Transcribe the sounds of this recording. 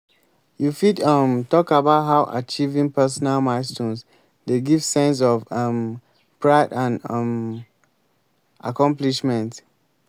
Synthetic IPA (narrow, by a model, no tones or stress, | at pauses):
jufidʌmtɔkabaʊtɦaʊʔa̰t͡ʃivĩŋpɛs̬ɔnalmastũns | deɡivsɛ̃ns̬ɔvʌm | pʰɹaɪdãnʌm | ʔa̰kɔ̃mpliʃmɛ̃nt